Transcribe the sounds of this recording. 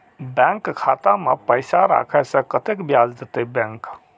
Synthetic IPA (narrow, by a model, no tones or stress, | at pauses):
bɛ̃ŋkkʰat̪amepəjsaɾa̰kʰɛsə̃kət̪ekbjad͡ʒd͡ʒet̪ebɛ̃ŋk